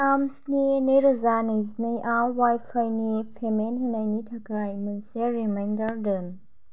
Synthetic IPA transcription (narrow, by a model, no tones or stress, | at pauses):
amsneneɾɯzanejznejʔawwajpʰajnepʰemenɦenajnitʰakajnejseɾimajndɐɾdɯn